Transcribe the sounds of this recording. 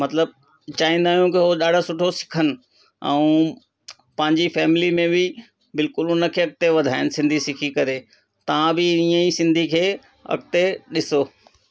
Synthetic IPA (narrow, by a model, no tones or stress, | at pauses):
mɐt̪ləb̚ | t͡ɕaːĩn̆d̪aːɦjũkiɦoɗaːɽ̤ʱosʊʈʰosɪ̥kʰənɪ̆ | ɛ̰̃ː | pɐ̃ɦɪ̃ɲd͡ʑifɛːmɪlimẽbɪ | bɪlkʊlʊnɐkʰeɐk̚t̪eʋɐd̪ʱaːɪnɪsɪ̃nd̪ʱisɪkʰikɐɾe | t̪ɐʋ̤ãbɪiːə̃isɪ̃nd̪ʱikʰeː | ɐ̰kt̪eɗɪsoː